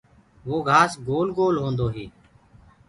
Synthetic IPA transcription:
ʋoːɡʱaːsɡoːlɡoːlɦõːnd̪oːɦiː

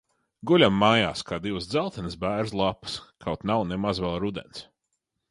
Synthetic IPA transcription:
ɡulʲamːaːjaːskaːd̪iwsd̪zalˠt̪ɛnɨsbæːɾslˠapɨ̥skʰawt̪nawnemazvɛlˠɾud̪ɛ̰ns

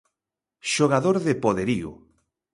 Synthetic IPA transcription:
ʃoɣaðoɾðepoðeɾiʊ̰

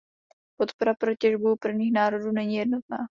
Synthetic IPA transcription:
po̞t̪po̞ɾapɾo̞cɛʒbuwpr̩vɲiːxnaːɾo̞duːnɛɲiːjɛdnot̪̚na̰ː

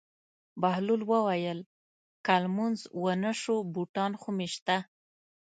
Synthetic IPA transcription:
bahlulwəwajəl | kalmunzwənəʃobuʈɑnxumeʃt̪a

